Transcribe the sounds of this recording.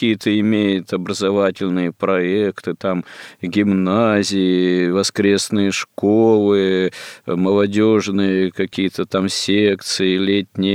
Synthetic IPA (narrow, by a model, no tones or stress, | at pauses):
ijət̪əɪmʲejɪt̪ɐbɾəzɐvatʲɪlʲnɨjəpɾɐekt̪ɨt̪amɡʲɪmnazʲɪjɪvɐskɾʲe̞snɨjəʂkolˠɨ | məlˠɐdʲoʐnɨjəkɐkʲijət̪ət̪amsʲek̚t̪sɨɪlʲetʲnʲɪj